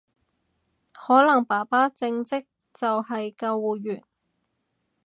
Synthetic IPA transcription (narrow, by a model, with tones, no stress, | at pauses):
hɔː˨˥lɐ˨˩ŋpaː˨˩paː˥t͡sɪ˧ŋt͡sɪ˥k̚ | t͡sɐ˨whɐ˨jkɐ˧wwuː˨ɥyː˨˩n